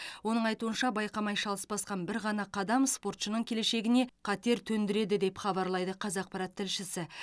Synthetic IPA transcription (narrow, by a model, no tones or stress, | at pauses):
wo̞nəɴɑjt̪uənʃɑbɑjqɑmɑjʃɑlˠəspɑsqɑnbɪɾʁɑnɑqʰɑd̪ɑmspo̞ɾt̪ʃənəɴkʲʰe̞leʃe̞ɡʲɪne̞qʰɑt̪e̞ɾt̪ʰɵnd̪ɪɾe̞d̪ɪd̪e̞pχɑbɑɾlˠɑjd̪əqʰɑzɑq̚pɑɾɑt̪ʰːɪlʃɪsɪ